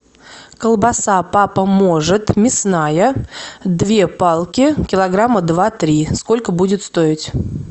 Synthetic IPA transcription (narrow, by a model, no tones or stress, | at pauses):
kəlˠbɐsapapəmo̞ʐɨt̪mʲɪsnajəd̪vʲe̞palˠkʲɪkʲɪlˠɐɡɾamːəd̪vat̪ɾʲisko̞lʲkəbudʲɪt̪st̪o̞ɪtʲ